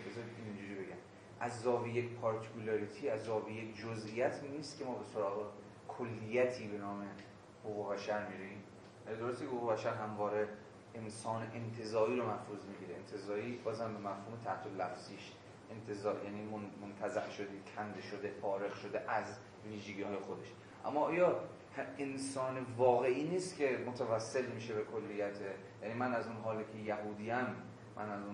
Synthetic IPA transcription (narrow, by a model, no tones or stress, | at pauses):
bezɒiind͡ʒuːɾiːbe̞ɡæm | ʔæzːɒːvijekpʰɒɾt̪ʰi̥kulɒɾit̪ʰiːæzːɒːvijekʰd͡ʒozʔijæt̪ʰniːst̪cʰemɒːbe̞soɾɒːɣe | kʰolːijæt̪ʰiːbe̞nɒːme | hoɣuːbæʃæɾmiɾeim | d̪oɾost̪ikehoɣubæʃæɾɦæmvɒːɾe̞ | ensɒːneʔent̪ʰe̞zɒːɾiːɾomæhɾuːzmiɟiːɾeent̪ʰe̞zɒːɾiːbɒːzæmbe̞mæfhuːmet̪ʰæht̪ʰolːæfz̥iːʃ | ʔent̪ʰezɒːjæːniːmomont̪ʰæzæʔʃod̪icʰænd̪eʃod̪e̞fɒːɾeɣʃod̪e̞ʔæz | viːʒeɡiːhɒːje̞xod̪e̞ʃ | ʔæ̰mːɒːɒːjɒ | hensɒːnevɒːɣe̞ʔiːniːst̪kce̞mot̪ʰævæsːe̞lmiːʃe̞bekʰo̞lːijæt̪ʰe | jænimænæzunɦɒːlekʰejæɦuːd̪iːæmː | ʔæ̰næzun